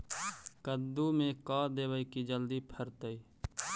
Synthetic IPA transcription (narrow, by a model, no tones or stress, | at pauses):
kəd̪umẽkaːd̪eːwəikid͡ʒəld̪ipʰəɾt̪əi